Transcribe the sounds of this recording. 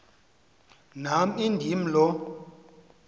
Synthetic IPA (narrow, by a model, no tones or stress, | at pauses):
nam̩indʱim̩lɔ